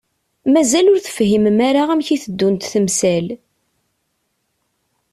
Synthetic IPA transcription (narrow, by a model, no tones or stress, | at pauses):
mæzælʊɾθə̥fɦimmaɾaæmçiθəd̪ːunt̪θəmsæl